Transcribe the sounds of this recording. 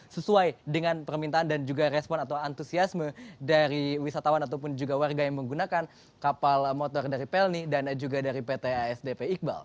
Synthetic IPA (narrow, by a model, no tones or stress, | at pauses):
səsuajdəŋanpərmint̪aːndand͡ʒuɡaɾɛspɔnat̪awant̪usiasmədaɾiwisat̪awanat̪̬awpʊnd͡ʒuɡawarɡajaŋməŋɡunakan | kapalmot̪ɔrdaɾipɛlnidand͡ʒuɡadaɾipet̪eaɛsdepeik̚ba̰l